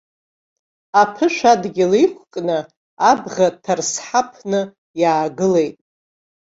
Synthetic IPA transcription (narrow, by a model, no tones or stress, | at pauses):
apʰɨʃᶣʷadɡʲɪlejkʷʰqʼnɨ | abʁatʰarsħapʰnɨ | jaːɡɨle̞jtʼ